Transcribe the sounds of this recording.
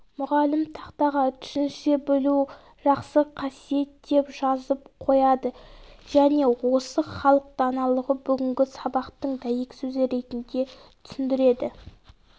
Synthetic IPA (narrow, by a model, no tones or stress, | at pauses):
mʊʁɑlɪmt̪ʰɑqt̪ɑʁɑt̪ʰʏ̥ʃɪnʃe̞bɵlu | ʒ̥ɑqsəqʰɑsije̞t̪d̪e̞pʒɑzəp̚qʰo̞jɑd̪əʒ̥æne̞wo̞səχɑlˠəq̚t̪ɑnɑlˠəʁəbʏɡʲɪŋɡʲɪsɑbɑqt̪əɴd̪æjekʲsɵzɪɾe̞t̪ɪnd̪e̞ | t̪ʰʏ̥sɪnd̪ɪɾe̞d̪ɪ